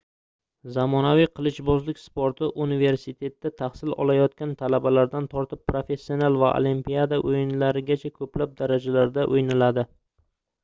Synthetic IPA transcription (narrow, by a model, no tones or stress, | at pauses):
zamɒnavijqʰɨlˠɪʃbɒzlɪkʲspoɾt̪ʰɪʔunive̞ɾsɪt̪ʰe̞t̪ːat̪ʰaχsɪlɒ̰lajɒt̪̚kʲant̪ʰalabalaɾd̪ant̪ʰɒɾt̪ʰɪpːɾofe̞sːionalˠvaʔo̰limpijad̪aʔojɪnlaɾɪɡʲat͡ʃʰakʰɵplap̚d̪aɾad͡ʒalaɾd̪aʔojnalad̪ɪ